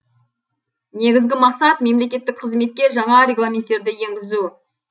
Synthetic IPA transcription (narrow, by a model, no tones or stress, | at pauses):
ne̞ɡʲɪzɡʲɪmɑqsɑt̪me̞mle̞kʲe̞t̪ːɪk̚qʰəzme̞t̪̚kʲe̞ʒɑɴɑɾe̞ɡlˠamʲent̪ːe̞ɾd̪ɪje̞ŋɡʲɪzu